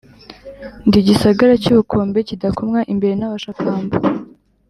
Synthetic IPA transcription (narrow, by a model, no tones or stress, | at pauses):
ndiɟisaɡaɾacuβukʰo̞ːmbe̞cidakomŋaʔimbe̞ɾe̞naβaʃakaːmbo